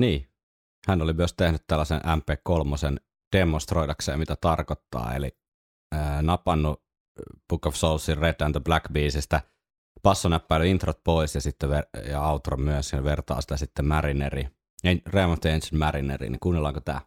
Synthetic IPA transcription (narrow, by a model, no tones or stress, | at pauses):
niː | hænolimyøst̪ehnyt̪t̪ælːæsḛnʔæmpeːkkolmosen | d̥emost̪roidɑksḛːmmit̪æt̪ɑrkot̪ːɑ̰ːḛli | ənɑpɑnːu | b̥ukofsolsːirret̪ːænt̪oblækbiːsist̪æ | pɑsːonæpːæˑːlyint̪rot̪̚poisjɑsit̪ːeʋejɑɑut̪romyøsɑnʋert̪ɑ̰ːsi̥t̪æsit̪ːemærineri | eremɑnst̪iensinmærinḛrḭːnḭkuːnːelːɑːŋkot̪æ̰ː